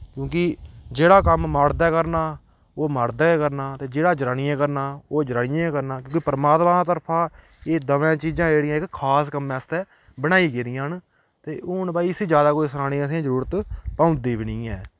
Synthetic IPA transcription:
kjõːkɪd͡ʒeːɽaːkəmːaːɽd̪ɛːkəɾnaː | oːmaːɽd̪ɛːkəɾnaːt̪eːd͡ʒeːɽaːd͡ʒɾaːniːãːkəɾnaːoːd͡ʒəɾaːnɪjãːkəɾnaːkjõːkipəɾəmaːt̪mãːd̪aːt̪əɾpʰãː | eːd̪əʋẽːt͡ʃiːd͡ʒãːd͡ʒeːɽijãːɪkkʰaːskəmːɛ̃ːəst̪ɛː | bəɽ̃aːiːkeːɾɪjãːn | t̪eːʊnbaːisiːd͡ʒjaːd̪aːkoːisəɾaːɽ̃ĩəs̬ĩzəɾuːɾət̪pãːʊ̃nd̪iːʋɪnĩːɛ̃ː

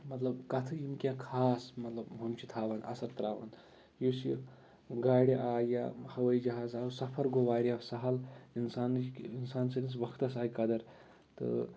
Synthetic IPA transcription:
mɐt̪lɐbkɐt̪ʰɨimkʲãːkʰaːsmɐt̪lɐbɦɐmt͡ʃʰit̪ʰaːʋɐnʔɐ̰sɐɾt̪ɾaːʋɐ̰n | jusi | ɡaːɽiʔaːja̰hɐʋɐjid͡ʒɐɦaːzaːsɐpʰɐɾɡoʋaːɾiɐsɐɦɐlinsaːninsaːnsɐnisʋɐkʰt̪ɐsaːjkɐd̪ɐɾ | t̪ɨ̰

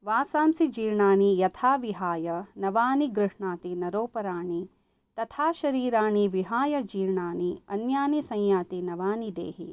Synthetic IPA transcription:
ʋaːsaːmsid͡ʒiːɾɳaːɳijɐt̪ʰaːʋiɦaːjɐnɐʋaːniɡɾɨʂɳaːt̪inɐɾoːpɐɾaːɳi | t̪ɐt̪ʰaːʃɐɾiːɾaːɳiʋiɦaːjɐd͡ʒiːɾɳaːɳiɐnjaːnisɐ̃jjaːt̪inɐʋaːnid̪ḛːɦḭ

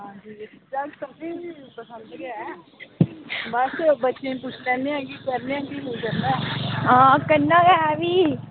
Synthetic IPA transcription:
ɦãːd͡ʒiːd͡ʒaːksəbnẽːiːpəsə̃nd̪ɡɛ | bəsbətːʃẽːpʊt͡ʃʰlɛ̃ːneãɡiːkəɾneãːɡiːɦoːd͡ʒand̪ɛːɦãːkənːãːɡɛɛːʋiː

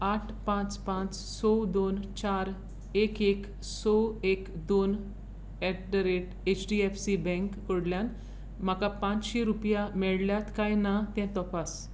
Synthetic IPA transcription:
aʈʰpãt͡spãt͡s | sɔwd̪ont͡ɕaɾ | ekek | sɔekd̪on | ɛɖəɾeʈ | et͡ɕɖiɛfsibɛ̃ŋkːoɽljan | m̤akapãt͡sɕeɾupjamɛɭljat̪kajnat̪ɛ̃t̪ɔpas

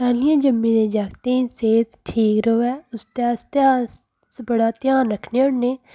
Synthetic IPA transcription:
kaːlɪjãːd͡ʒəmːĩːnẽːd͡ʒaːkt̪eĩseːt̪ʈʰiːkɾoːɛːʊst̪aːst̪aː | sbəɽaːt̪jãːnɾəkʰneːʊɽneː

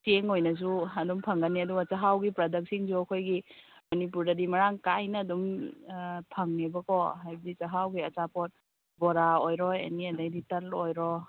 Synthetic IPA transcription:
seŋojnɐs̬uɐdumpʰɐŋɡɐnːiɐduɡɐt͡ʃɐɦawɡipɾɐdɐk̚siŋsuɐkʰojɡimɐnip̬uɾdɐdimɐɾaŋkajnɐːdum | pʰɐŋnebɐkɔɦajbɐdit͡ʃɐɦawɡiɐt͡ʃapɔt̚ | bɔɾaojɾɔḛniɐdajditɐlojɾɔ

